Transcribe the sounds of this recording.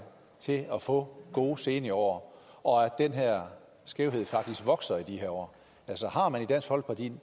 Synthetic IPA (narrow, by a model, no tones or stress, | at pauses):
t͡sʰe̝ɒfɔ̰̽ːɡ̥o̝ːse̝ːnəiɒ̰ʊ̰ɐ | ʔɒ̽æd̥enɦeɐ̰ | sɡ̥eʊɦe̝ð̞̰ˠfɑ̈ɡ̥̚d̥isɡ̥ʋɒ̽ɡ̥sɐid̥iheɐɒ̰ː | ælsɒhɑ̈mænid̥æn̰sɡ̥hɒ̽l̰̥̚pʰɑd̥ʰḭn